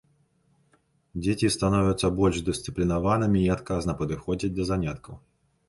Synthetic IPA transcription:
d͡zʲet͡sʲist̪anɔvʲɐt̪sɐbɔlʲʐd̪ɨst̪sɨplʲinavanɨmʲiːat̪kaznɐpɐd̪ɨxɔd͡zʲid͡z̚ʲd̪ɐzanʲat̪kɐw

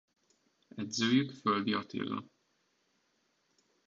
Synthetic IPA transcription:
ɛd̪zøːjykføld̪iɒt̪ḛːlːɒ̰

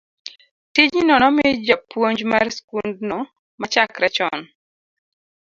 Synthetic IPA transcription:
tid͡ʒinɔnɔmɪd͡ʒapwoɲd͡ʒmarskundnɔ | mat͡ʃakɾɛt͡ʃɔn

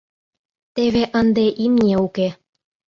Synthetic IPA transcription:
t̪eβeʔənd̪eʔimnʲeuke

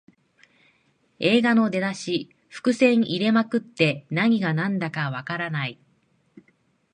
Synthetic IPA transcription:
e̞ːɡano̞d̪e̞d̪aɕi | ɸɯ̥kɯ̟sẽ̞ɰiɾe̞makɯ̟t̪ːe̞naɲ̟iɡanãnd̪akaβakaɾanai

